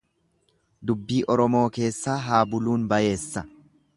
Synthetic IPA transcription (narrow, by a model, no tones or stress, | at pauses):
d̪ʊbːiːʔɔɾɔmo̞ːke̞ːsːaːɦaːbʊluːnbɐje̞ːsːɐ